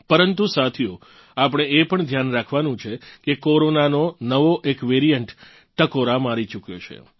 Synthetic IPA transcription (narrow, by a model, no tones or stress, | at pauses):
pəɾənt̪usat̪ʰijo | apɽ̃eepəɳd̪ʱjanɾakʰʋanũt͡ʃʰekekoɾonanonəʋoʔekʋeɾijəɳʈ | ʈəkoɾamaɾit͡ʃukjo̰t͡ʃʰḛ